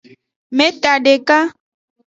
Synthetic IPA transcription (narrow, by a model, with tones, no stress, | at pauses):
mɛ˦t̪a˨ɖe˨ka˦